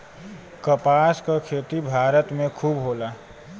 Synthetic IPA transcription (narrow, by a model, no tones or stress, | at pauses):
kəpaːskakʰeːt̪ibʱaːɾət̪mẽkʰuːbɦoːlaː